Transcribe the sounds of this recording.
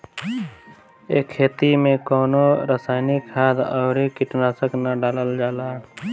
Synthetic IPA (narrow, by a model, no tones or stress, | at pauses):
eːkʰːeːt̪imẽkɔːnoɾəsaːɪnɪkɦaːd̪ɔːɾikɪʈnaːsəknaɖaːləld͡ʒaːlaː